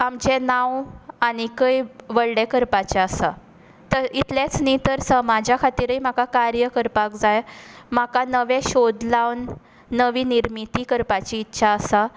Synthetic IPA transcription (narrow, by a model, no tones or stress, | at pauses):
amd͡ʑenawanikəjʋəɭɖekəɾpat͡ɕaəsa | t̪əit̪let͡snit̪əɾsəmad͡ʑʱjakʰat̪iːɾəim̤akakaɾjəkəɾpakd͡zajm̤akanəʋeɕod̪lawnː | əʋiːniɾmit̪ikəɾpat͡ɕiːtːɕʰaəsa